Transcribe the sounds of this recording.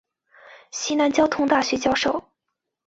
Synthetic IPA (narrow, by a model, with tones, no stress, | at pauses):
ɕi˥na˧˥nt͡ɕjɑ˥ʊt̪ʰʊ˥ŋt̪a˥˩ɕɥɛ˧˥t͡ɕjɑ˥ʊʂo˥˩ʊ